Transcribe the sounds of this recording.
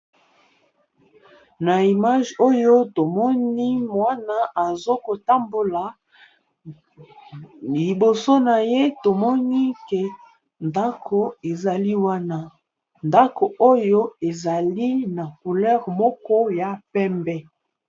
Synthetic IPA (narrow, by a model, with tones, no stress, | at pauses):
na˨i˨ma˦ʒo˦jo˦to˨mɔ˦ni˦mwa˦na˦ʔa˨zo˦ko˨ta˦mbo˨la˨ | li˨bo˨so˦na˨je˦to˨mɔ˦ni˦ke˨ | nda˦kʰo˨e˨za˨li˦wa˦na˦ | nda˦ko˨ʔo˦jo˦e˨za˨li˦na˨ku˨lɛ˦ʁmɔ˦kɔ˦ja˨pɛ˦mbɛ˦